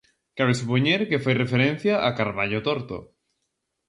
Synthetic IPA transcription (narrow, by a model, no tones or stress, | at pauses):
kaβesupoɲeɾkefajrefeɾẽn̟θjaʔakaɾβaʎot̪oɾt̪o̰